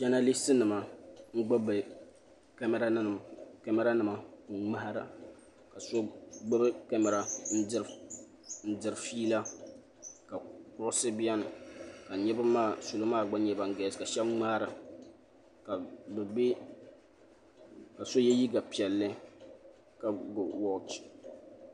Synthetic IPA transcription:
d͡ʒɛ˦na˦li˦sɨ˦nɨ˨ma˨ŋ͡m̩˦ɡ͡bʊ˦bɨ˨ | kɛ˦mɛ˦ɾa˦n˦˨m˨kɛ˦mɛ˦ɾa˦nɨ˨ma˨˦˨ŋ͡ma˦ha˦ɾa̰˨ | ka˨so˦ɡ͡bʊ˦bɨ˦ka˦mɛ˨ɾa˨n̩˦ | n̩˦dɨ˨ɾfiː˦la˦ | ka˨kʊ˦ɾsɨ˦bi˦a˦n˨ka˨ɲɛ˦ba˦maː˦˨so˨lo˦maː˦˨ɡ͡ba˦ɲɛ˦ba˨ŋ˦ɡɛ˨ka˨ʃɛ˦bŋ͡ma˦hɾɨ˨ | ka˨bɛ˨be˦ | ka˨so˦jɛ˦ji˦ɡa˨pi˨ɛ˨lːɨ˦ | ka˨ɡʊ˨wɔ˦lt͡ʃ

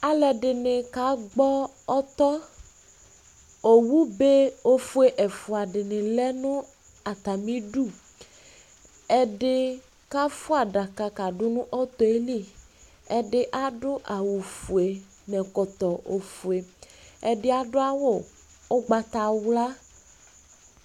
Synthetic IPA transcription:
a˨lɛ˨ɖɪ˨nɪ˨ka˨˦ɡ͡bɔ˦ | ɔ˦t̪ɔ˦ | o˨wu˦be˦o˦fu˦e˨ʔe˨fu˨a˨ɖɪ˨nɪ̃˨lɛ˦nʊ̃˦ | a˨t̪a˨mĩ˦ɖu˦˨ | ɛ˦ɖɪ˦ | ka˦fʊ˦a˨ɖa˨ka˨ka˨ɖʊ˦nʊ̃˦ʔɔ˦t̪ɔ˨e˦li˦˨ | ɛ˦ɖɪ˦ʔa˦ɖʊ˦ʔa˨wu˨fu˨e˨ | nɛ̃˨kɔ˨t̪ɔ˨o˨fu˨e˨ɛ˨ɖɪ˦a˨ɖʊ˦a˦wo˦˨ | o˦ɡ͡ba˨t̪a˨wla˦

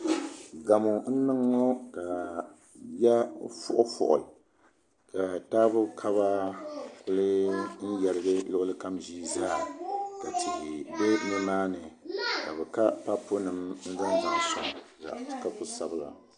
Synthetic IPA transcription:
ɡa˨mo˨n̩˦nɨ˦ŋːo˦ka˨ | ja˦fʊ˦ʔʊ˦fʊ̰˨ʔʊ̰˨l | ka˨taː˦bʊ˦kʰa˦βa˦kʊ˦lɨ˦n̩˦jɛ˨lɨ˦ɡɨ˦lʊ˦ʔʊ˦lɨ˦ka˦mʒiː˦zaː˦˨ka˨ti˨ʔi˨bɛ˦nɨ˦naː˦nɨ˨ka˨bɛ˨ka˦pa˦pʊ˦nɨ˨mn̩˦za˦n˦za˨ŋ˦˨sa̰˨za̰˨ʔka˦pʊ˦sa˦bɨ˦la̰˨

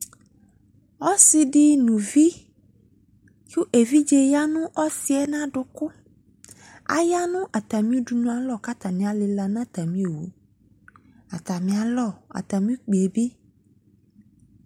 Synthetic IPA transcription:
ɔ˦sɪ˨ɖɪ˦nũ˨vi˦ | t͡ʃu˦ʔe˨vi˦d͡ʒe˦ja˦nũ˦ʔɔ˦si˦ɛ˦nã˦ɖʊ˨kʊ˦ | a̰˨ja˦nũ˦ʔa˨t̪a˨mĩ˦u˦du˨nũ˦a˨lɔ˦˨ka˦t̪a˨mĩ˨a˨lɪ˨la˨nã˦t̪a˨mĩ˦e˨wṵ˨ | a˨t̪a˨mĩ˨a˨lɔ˦˨a̰˨t̪a˨mĩ˦k͡pe˨e˨bi˦

